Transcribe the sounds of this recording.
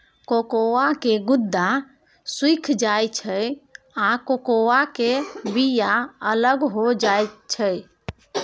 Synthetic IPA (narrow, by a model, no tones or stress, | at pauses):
kokowakeɡud̪ːa | swikʰd͡ʒajt͡ʃʰəj | akokowakebijaələɡɦod͡ʒajt͡ʃʰəj